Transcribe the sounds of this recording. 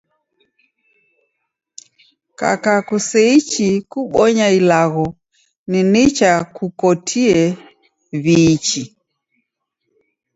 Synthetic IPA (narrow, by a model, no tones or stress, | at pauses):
ka̰kakusɛit͡ʃikuɓɔɲailaɣɔ | ninit͡ʃakukɔtʰiɛ | βit͡ʃi